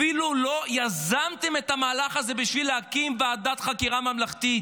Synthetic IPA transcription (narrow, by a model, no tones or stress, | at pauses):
ilulo̞jazamt̪e̞me̞t̪amaːlaχaze̞biʃvileakimvead̪at̪χakiʁamamlaχt̪it